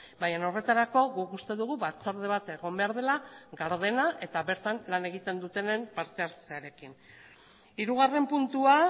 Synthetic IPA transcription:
bajano̞re̞t̪aɾako̞ɣukust̪e̞ðuɣuβat͡soɾð̞e̞β̞at̪e̞ɣ̞o̞mbe̞aɾðe̞laɣaɾðe̞naʔe̞t̪aβe̞ɾt̪anlane̞ɣit̪e̞nd̪ut̪e̞ne̞mpaɾt̪e̞aɾt͡seaɾe̞kin | iɾuɣ̞are̞mpunt̪ua

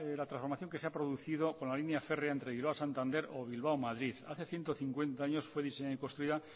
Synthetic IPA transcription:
lat̪ɾasfoɾmaθjo̞ŋke̞se̞apɾo̞ðuθiðo̞ko̞nlalinjafe̞reaent̪ɾeβiloasant̪ãnd̪e̞ɾo̞β̞ilβawmaðɾiθaθe̞θjent̪oθiŋkwe̞nt̪aaɲo̞sfwe̞ðiseɲaikonst̪ɾuiða

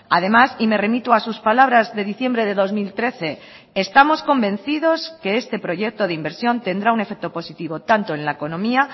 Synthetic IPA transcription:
að̞e̞masime̞re̞mit̪uasuspalaβ̞ɾazðe̞ð̞iθje̞mbɾe̞ðe̞ðo̞zmilt̪ɾe̞θe̞ː | st̪amo̞sko̞mbẽ̞n̟θið̞o̞ske̞est̪e̞pɾo̞ʝe̞k̚t̪o̞ð̞eimbe̞ɾsjo̞nt̪e̞nd̪ɾaune̞fek̚t̪o̞po̞sit̪iβo̞t̪ant̪o̞enlaeko̞nõ̞mia

